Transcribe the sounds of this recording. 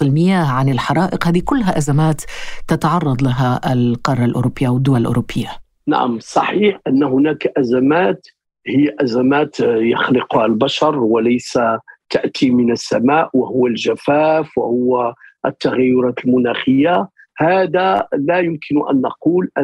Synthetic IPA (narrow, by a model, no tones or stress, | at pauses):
ɪlmɪjaːhʕanɪlħɑɾˤɑːʔɪqhæːd̪ikʊlːɦæʔazamaːt̪ːɑt̪ɑʕɑrˤːɑd̪ˤlaɦaʔlqɑrˤːɑlʔʊ̰ɾʊpːɪjːaʔwd̪ːʊwallʔʊ̰ɾʊpːɪjːa | na̰ʕa̰msˤɑ̰ħiːħʔənːɦʊnækʔæzamaːt̪ | hɪjːaʔæzæmaːt̪jɑxlɪqhalbaʃɑɾˤwalæjsat̪aʔt̪imɪnəsːa̰maːʔwahʊwːalʒæfæːfwahʊwːaʔt̪ːaɣajːʊɾˤɑːt̪əlmʊnaːxəjːa | haːd̪alæjʊmkʰɪnʊʔæ̰nːɑ̰quːlʔ